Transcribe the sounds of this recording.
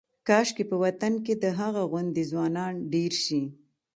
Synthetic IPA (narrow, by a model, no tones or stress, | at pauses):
kɑʃkepəwat̪anked̪əɦaɣaɣwʊnd̪ezwɑnɑnɖeɾʃi